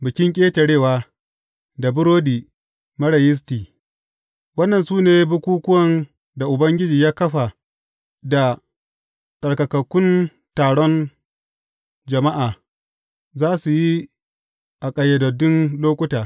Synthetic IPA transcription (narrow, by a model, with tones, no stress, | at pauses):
bɪ˨kʲɪ˦ŋkʲʼeː˦te˨ɽeː˦˨waː˦ | da˨bʊ˦ɾoː˦diː˨ | mɐ˦ɽɐ˨jɪ˦s̬tiː˨ | wɐ˦nːɐ˨nsuː˦neː˦bʊ˦kʷuː˦kʷʊ˦wɐ˨n | da˨ʔʊ˨bɐ˦ŋɡʲɪ˦d͡ʒiː˨jaː˦kɐ˦ɸa˨ | da˨ | sʼɐ˨ɽkɐ˨kɐ˨kʷːʊ˦n | taː˨ɽɔ˦n | d͡ʒɐ˨ma˦ʔaː˨ | zaː˦su˨ji˦ | ʔa˨kʼɐ˨jɐ˨dɐ˨dʊ˦nloː˦kʷʊ˦taː˨